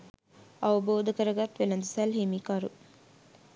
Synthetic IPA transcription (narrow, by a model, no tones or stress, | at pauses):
ɐʋɐboːd̪ɐkəɾəɡat̪ʋelɐnd̪usælɦemikɐɾu